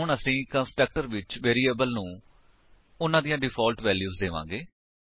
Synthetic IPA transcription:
ɦʊɳəsĩːkənsʈɾək̚ʈəɾʋɪt͡ʃʋeːɾiːeːbəlnũː | ʊnãːd̪ijãːɖɪpʰɔːlʈʋɛːljuːzd̪eːʋã̰ːɡeː

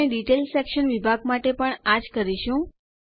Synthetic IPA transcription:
eɖiʈelsɛkʃənʋibʱaɡ̚maʈepəɳad͡ʒkəɾiʃũ

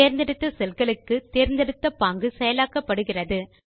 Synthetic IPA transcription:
eːɾnd̪ɛɽɯt̪ːɐsɛlɣɐɭɯkːɯt̪eːɾnd̪ɛɽɯt̪ːɐpaːŋɡɯsɛjɐlaːkːɐpːɐɽɯɣɪrɐðɯ

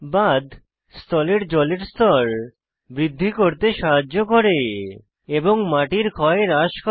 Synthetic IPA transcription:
bad̪ʱ | st̪ɔleɾd͡ʑɔleɾst̪ɔɾ | bɾid̪ʱːikoɾt̪eʃaɦad͡ʑːoɡʱoɾe | eboŋmaʈiɾkʰɔeɾaʃkʰ

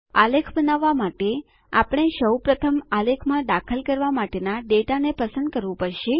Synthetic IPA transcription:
alekʰbənaʋːamaʈe | apɳ̃eʃəwpɾət̪ʰəmalekʰmãd̪akʰəlkəɾʋamaʈenaɖeʈanepəsə̃nd̪̚kəɾʋũpəɾʃe

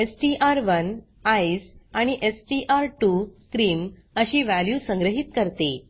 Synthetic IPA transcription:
esʈiʔaɾʋən | ajsaɽ̃iʔesʈiʔaɾʈukɾiːm | əɕiːʋæljuːsəŋɡɾəɦit̪kəɾt̪e

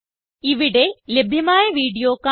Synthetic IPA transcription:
iʋiɽe̞lebʱjɐmaːjɐʋiːɽijoːkːa

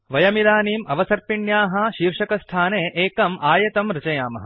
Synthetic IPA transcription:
ʋɐjɐmid̪aːniːmɐʋɐsɐɾpiɳjaːɦɐʃiːɾʂɐkɐst̪ʰaːneːʔeːkɐmʔaːjɐt̪ɐmɾit͡ʃɐjaːmɐɦɐ

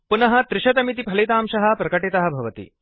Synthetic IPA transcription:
punɐɦɐt̪ɾɪɕɐt̪ɐmit̪ipʰɐlit̪aːmɕɐɦɐpɾɐkɐʈeːt̪ɐɦɐbʱɐʋɐt̪ḭː

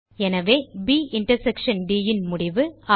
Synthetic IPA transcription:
ɛnɐʋeːbiːʔɪɳʈɐɾsɛkʂɐnɖiːjɪnmʊɽɪʋɯa

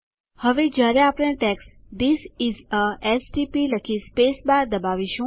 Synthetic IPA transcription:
həʋed͡ʒjaɾeapɽ̃ẽʈɛks | d̪isɪzəɛsʈipiləkʰispesbaɾd̪əbaʋiʃũ

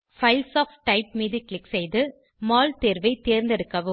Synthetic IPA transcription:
fɐɪlsaːfʈɐɪp̚miːðiklɪksɛjðɯ | maːlt̪eːɾʋɐɪt̪eːɾnd̪ɛɽɯkːɐʋɯ

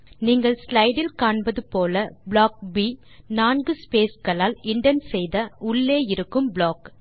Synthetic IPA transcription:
niːŋɡɐɭslɐɪɽɪlkaːɳbɐðɯpoːlɐbɭoːk̚bi | naːnɡɯspeːskɐɭaːlɪɳɖɐnsɛjðɐʔʊɭːeːɪɾɯkːɯmbɭoːk

